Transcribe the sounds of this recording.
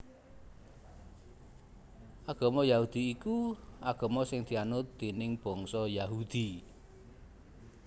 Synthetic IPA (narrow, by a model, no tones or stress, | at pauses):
ʔaɡ̥ɔ̤mɔjahud̪̥i̤ːkuaɡ̥ɔ̤mɔsɪŋd̪̥i̤anʊt̪d̪inɪŋb̥ɔ̤ŋsɔjaɦud̪̥i